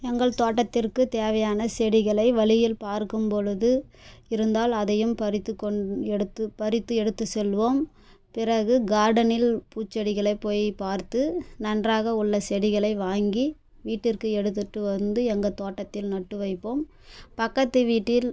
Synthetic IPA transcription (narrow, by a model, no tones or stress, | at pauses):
ɛŋɡɐɭt̪oːʈːɐt̪ːɪrkɯt̪eːʋɐjaːnɐsɛɽɪɣɐɭɐɪʋɐɭɪjɪlpaːɾkɯmpɔɻɯðɯ | ɪɾɯnd̪aːlɐðɐjɯmpɐɾɪt̪ːɯkɔɛɽɯt̪ːɯpɐɾɪt̪ːɯɛɽɯt̪ːɯsɛlːʋoːm | pɪɾɐɣɯɡaːɾɽɐnɪlpuːt͡ʃːɐɽɪɣɐɭɐɪpːoːjpaːɾt̪ɯnɐndraːɣɐʊɭːɐsɛɽɪɣɐɭɐɪʋaːŋɡi | ʋiːʈːɪrkɯɛɽɯt̪ːɯʈːɯʋɐnd̪ɯɛŋɡɐt̪oːʈːɐt̪ːɪlnɐʈːɯʋɐɪpːoːm | pɐkːɐt̪ːɯʋiːʈːɪl